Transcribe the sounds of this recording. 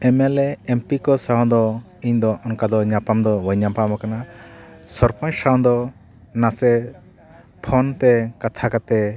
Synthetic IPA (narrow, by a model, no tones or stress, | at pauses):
ɛmɛlɛɛmpikɔsaɦɔ̃d̪ɔ | iɲd̪ɔɔnkad̪ɔɲapamd̪ɔwəɲapamakana | sɔɾpʰɔ̃ɲsaɔ̃d̪ɔ | nasɛ | pʰɔnt̪ɛkat̪ʰakat̪ɛ